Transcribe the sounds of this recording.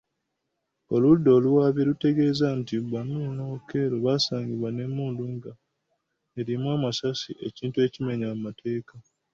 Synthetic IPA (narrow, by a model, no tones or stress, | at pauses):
o̞ludːo̞ːluwaːβjelute̞ɡe̞ːzantiβanunoːkeɾoβasaːɲɡiβwane̞mːuːnduŋɡa | eɾimwaːmasasiʔe̞ciːntue̞cime̞ɲammatʰe̞ːka